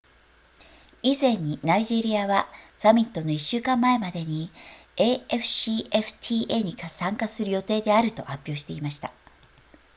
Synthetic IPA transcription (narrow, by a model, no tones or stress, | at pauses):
izẽ̞ɲ̟ːinaiʑe̞ɾʲiaβasamʲit̪ːo̞noiɕːɨːkãmːae̞mad̪e̞ɲ̟ieːeɸɯ̟̥ɕieɸɯ̟̥t̪ʲʰiːʔe̞ːɲ̟ikasãŋkasɨɾɯ̟jo̞t̪e̞ːd̪e̞aɾɯ̟t̪o̞̰hapʲjo̞ːɕi̥t̪e̞imaɕi̥t̪a